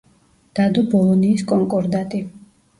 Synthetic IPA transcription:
d̪̥ad̪ɔbɔlˠɔniːskʼɔŋkʼɔɾd̪at̪ʼi

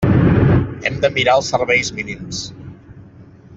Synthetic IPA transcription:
ɛ̰md̪əmiɾaəlˠsəɾβɛjzminims

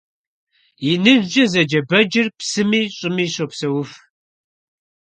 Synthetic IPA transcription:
jinɨʒʒɐzɐd͡ʒɐbɐd͡ʒɪrpsɨmiːɕʼɪmiːɕopsɐwʊf

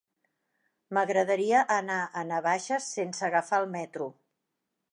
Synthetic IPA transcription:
məɣɾəðəɾiəʔənaʔənəβ̞aʃəsːensəɣəfalˠmɛt̪ɾu

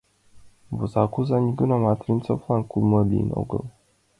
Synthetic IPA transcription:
vuzakuzaniɡɨnamat̪ɾint͡sofankuməlḭno̰ɡə̰l

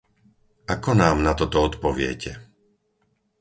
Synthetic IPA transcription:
akɔnaːmnat̪ɔt̪ɔɔt̪pɔʋɪɛ̰cɛ

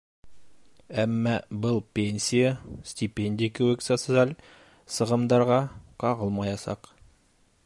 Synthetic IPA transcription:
æmːɑbɤlˠpʲenʲsʲijasʲtʲɪpʲenʲdʲɪjkɘ̆wɘksɑsɤzælʲ | sɤ̆ʁɤ̆md̪ɑɾʁɑqɑʁɤlˠmɑjɑsɑ̰q

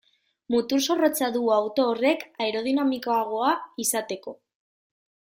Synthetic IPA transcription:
mut̪uɾso̞ro̞t͡saðuawt̪o̞ːre̞kaeɾo̞ð̞inamikoaɣ̞o̞aisat̪e̞ko̞

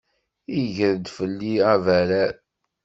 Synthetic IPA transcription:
iʝəɾd̪fəlːiævæɾæɾ

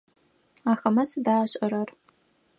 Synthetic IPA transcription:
axɐmɐsɨdaːɕʼɐɾɐr

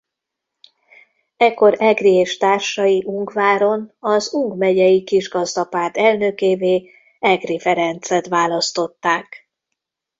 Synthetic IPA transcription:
ɛkːo̞ɾɛɡrieːʃt̪aːrʃɒjiʔuŋɡvaːɾo̞nɒzuŋɡmɛɟɛjikiʒɡɒzd̪ɒpaːrt̪ɛlnøkeːveː | ɛɡrifɛɾɛnt̪sɛt̪ʋaːlɒst̪o̞t̪ːaːk

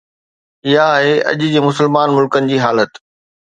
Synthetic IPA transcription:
ɪɦaːɦeɐ̰ʄɪ̆d͡ʑeːmʊsəlmaːnmʊlkənɪ̆d͡ʑiːɦaːlət̪

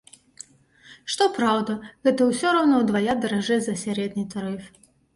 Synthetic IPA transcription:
ʂt̪ɔpɾawd̪ɐɣɛt̪ɐwsʲɔɾawnɔwd̪vajad̪ɐɾaʐɛzɐsʲaɾɛd̪nɨt̪aɾɨf

